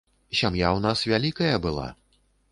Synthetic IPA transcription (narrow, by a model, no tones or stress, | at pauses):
sʲamjawnasvʲalʲikɐjɐbɨlˠa̰